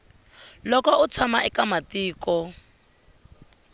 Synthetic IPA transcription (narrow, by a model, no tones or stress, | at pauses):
lɔkɔut͡sʰamaʔɛkamatiːkɔ